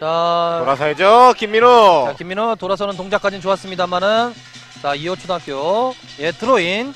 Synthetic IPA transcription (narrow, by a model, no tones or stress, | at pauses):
t͡ɕaoɾasʰaed͡ʑokimːiɾoakimːiɾotoɾasʰʌnɯntoŋd͡ʑak͈ad͡ʑint͡ɕoas͈ɯmɲidamanɯn | t͡ɕaiʌt͡ɕʰodak͈eo | etʰɯɾoin